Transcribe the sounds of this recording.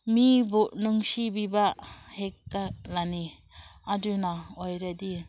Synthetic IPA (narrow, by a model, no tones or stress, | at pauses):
mibuʔnuŋsibibahek̚ːalani | ad͡ʒunaojɾed̪i